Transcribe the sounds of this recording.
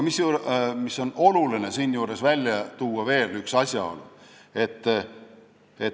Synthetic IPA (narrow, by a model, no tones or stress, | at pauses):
misjuːmisːo̞no̞luline̞siːnjuːɾe̞svælʲjɑt̪uːɑve̞ːlyksɑsʲjɑ̰o̞̰lṵe̞t̪ː | e